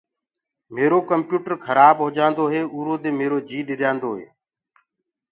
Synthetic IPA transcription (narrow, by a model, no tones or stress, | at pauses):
meːɾoːkəmpjuːʈəɾkʰəɾaːbɦʊd͡ʒãːnd̪oːɦeːuːɾoːd̪eːmeːɾoːd͡ʒiːɗɪɗɪjãːnd̪oːɦḛː